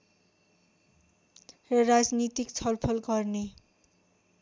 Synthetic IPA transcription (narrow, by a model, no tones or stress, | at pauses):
ɾad͡znit̪ikt͡sʰʌlpʰɔlkʌrne